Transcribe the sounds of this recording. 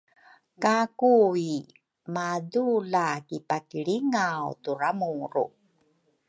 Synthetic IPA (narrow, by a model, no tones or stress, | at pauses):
kakui | madulakipakiɭiŋawturamuɾṵ